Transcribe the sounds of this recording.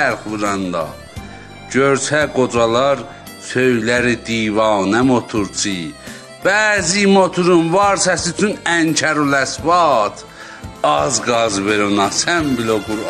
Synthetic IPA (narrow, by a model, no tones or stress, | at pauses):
æɾxvɯɾɑnd̪ɑ̰ | ɟøɾsʰæɡod͡ʒɑlˠɑɾ | søjlæɾid̪iːvɑːnæmot̪ʰuɾt͡sʰi | b̥æːzimot̪ʰuɾunvɑɾsæsyyt͡ʃʰynæɲcʰæɾulæsvɑt̪ʰ | ɑzɡɑzveɾonɑsæmbiloɡuɾ